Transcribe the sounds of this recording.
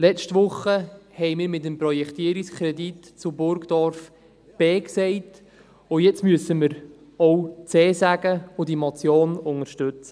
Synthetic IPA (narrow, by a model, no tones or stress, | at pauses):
lɛstʋʊχːəhɛɪmɪːɾmɪt̬əmprɔjɛkt̪iːəɾikskʰɾɛdit | t͡sʊbʊɾkd̥ɔɾf | b̥ɛːksɛɪt | ʊjɛt͡smyəsəməɾ | owt͡seːsæɡəʊdimɔt͡sjoːnʊŋəɾʃtʏt͡sə